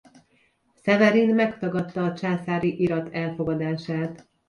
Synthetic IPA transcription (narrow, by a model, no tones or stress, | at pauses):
sɛvɛɾinmɛkt̪ɒɡɒt̪ːɒːt͡ʃaːsaːɾiʔiɾɒt̪ʰɛlfo̞ɡɒd̪aːʃaːt̪